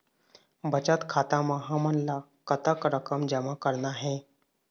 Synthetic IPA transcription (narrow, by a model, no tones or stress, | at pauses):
bʱət͡ʃət̪kʰaːt̪aməɦamənla | kət̪əkɾəkəmd͡ʒəmakəɾnaɦɛ̃ː